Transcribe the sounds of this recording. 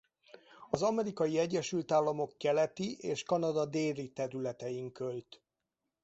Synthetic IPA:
ɒzɒmɛɾikɒjiɛɟːɛʃylt̪aːlːɒmo̞kːɛlɛt̪iʔeːʃkɒnɒd̪ɒd̪eːɾit̪ɛɾylɛt̪ɛjiŋkølt̪

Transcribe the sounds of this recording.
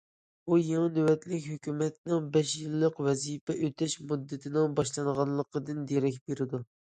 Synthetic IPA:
bujeŋnøwɛt̪lɪkʲhøkʲymɛt̪nɪŋbɛʃjɨlˠːəqvɛzipɛʔøt̪ʰɛʃmud̪ːɨt̪ʰɪnɪŋbɑʃlˠɑnəʁɑnlˠəqəd̪ɨnd̪eɾɛkʲbeɾɪd̪u

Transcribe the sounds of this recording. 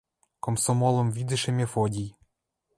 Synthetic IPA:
komsɔmɔlˠɔmvʲid̪ɨʃemʲefodʲij

